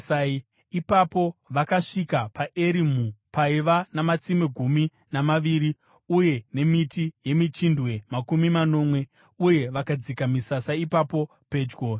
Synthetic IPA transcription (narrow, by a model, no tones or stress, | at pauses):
ipapo̞ʋakaʂikapaʔe̞ɾimupaiʋanamat͡simeɡʱumi | namaʋiːɾi | uje̞ne̞mitije̞mit͡ʃindwe̞makumimano̞mwe̞ | uje̞ʋakad͡zikamisasaipapo̞ | pe̞ːd͡ʒɡo